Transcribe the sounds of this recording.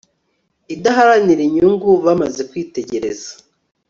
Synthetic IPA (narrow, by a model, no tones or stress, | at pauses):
idaɦaɾaniɾiɲuŋɡuβamaze̞kwiːte̞ɟe̞ɾe̞zḁ